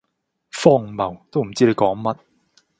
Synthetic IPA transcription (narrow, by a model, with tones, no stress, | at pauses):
fɔː˥˩ŋmɐ˨˩wt̪o˥wm̩˨˩t͡siː˥le˨˧jkɔː˨˥ŋmɐ˥t̚